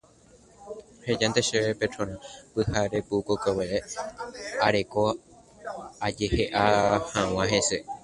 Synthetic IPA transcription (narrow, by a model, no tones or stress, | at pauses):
hed͡ʒant̪eʃepet͡ʃõɾ̃ãpɨhaɾepukokoweʔe | aɾe̞ko | ad͡ʒeheʔahãw̃ãɦe̞se̞